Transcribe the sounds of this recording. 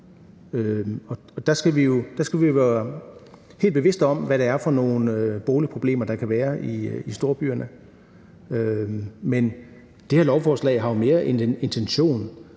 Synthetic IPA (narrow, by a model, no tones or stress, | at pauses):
øɒ̽ | ɒ̽d̥ɑsɡ̥æʋijo̝d̥ɑsɡ̥æʋioʋæːɐ | he̝̰ːldb̥e̝ʋe̝sd̥ɒ̽m̰ʋæɾ̥ɑːɐfɒ̽no̝ːn̩øb̥o̝ːlipʰʁo̝b̥le̝̰ːmɐd̥ɑ̈kʰæʋæːɐiisd̥o̝ːɐb̥y̰ːɐnʔə | ømen | d̥e̝heɐlɒʊfɒːslɛ̰ɪɦɑ̈jome̝ːɐʔend̥ene̝nt͡sʰenɕo̝̰ːn